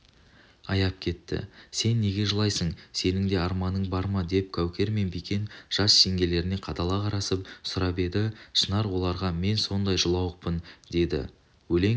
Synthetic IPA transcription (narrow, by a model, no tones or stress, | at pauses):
ɑjɑp̚kʲʰe̞t̪ːɪ̰se̞nːe̞ɡʲe̞ʒəlˠɑjsəɴse̞nɪŋd̪e̞ɑɾmɑnːəɴbɑɾmɑd̪e̞p̚kʲʰæwkʲe̞ɾme̞nbikʲe̞nʒ̥ɑsʃeŋɡʲe̞le̞ɾɪne̞qʰɑtd̪ɑlˠɑqʰɑɾɑsəp̚sʊɾɑpe̞d̪ɪʃənɑɾwo̞lˠɑɾʁɑme̞nso̞nd̪ɑjʒəlˠɑwəq̚pənd̪e̞d̪ɪ̰ | wɵle̞ŋ